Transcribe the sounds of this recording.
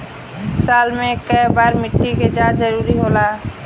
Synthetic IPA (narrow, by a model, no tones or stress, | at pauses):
saːlmẽkəjbaːɾmɪʈːiked͡ʒaːzəɾuːɾiɦoːlaː